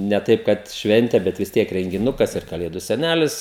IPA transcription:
nʲɛ ˈtɐɪp kɐt ˈʃʲʋʲɛnʲtʲeː bʲɛt ʋʲɪs ˈtʲiɛk rʲɛŋʲɡʲɪˈnʊkɐs ɪr kɐˈlʲeːdʊ sʲɛˈnʲælʲɪs

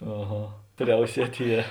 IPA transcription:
ɐˈɣɐ ˈpʲrʲɛʊsʲiɛtʲ ˈjɛ

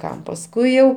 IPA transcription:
ˈkɐm pɐsˈkʊɪ jɛʊ

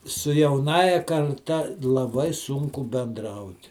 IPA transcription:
sʊ jɛʊˈnɑːjɛ kɐrˈtɐ lˠɐˈbɐɪ ˈsʊŋkʊ bʲɛnˈdrɐʊt

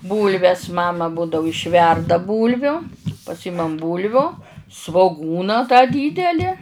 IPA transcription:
ˈbuːlʲʋʲɛs ˈmɑːmɐ ˈbuːdɐʊ ɪʃʲˈʋʲɛrdɐ ˈbuːlʲʋʲʊ pɐˈsʲiːmɐm ˈbuːlʲʋʲʊ sʋoːˈɡuːnɐ tɑː ˈdʲiːdʲɛlʲɪ

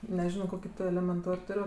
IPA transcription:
nʲɛˈʒʲɪnoː ˈkoːkʲɪ ˈtʊ ɛlʲɛmʲɛnˈtoːrʲ ˈtʊrʲ

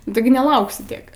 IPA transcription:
nʊ ˈtʲɪɡʲɪ nʲɛˈlˠɐʊksʲɪ ˈtʲiɛk

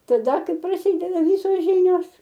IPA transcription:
tɐˈdɐ ˈkɐɪ prɐˈsʲiːdʲɛdɐ ˈʋʲiːsoːs ˈʒʲiːnʲoːs

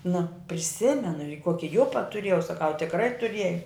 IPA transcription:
nʊ pʲrʲɪˈsʲɪmʲɛnʊ ɪ ˈkuɔkʲɪ ˈjʊpɐ tʊˈrʲiɛjɛʊ sɐˈkɐʊ tʲɪkˈrɐɪ tʊˈrʲiɛj

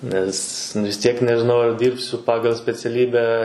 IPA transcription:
ˈnʲɛs ʋʲɪs ˈtʲiɛk nʲɛʒʲɪˈnɐʊ ɐr ˈdʲiːrʲpʲsʲʊ ˈpɑːɡɐlˠ sʲpʲɛt͡sʲɛˈlʲiːbʲæː

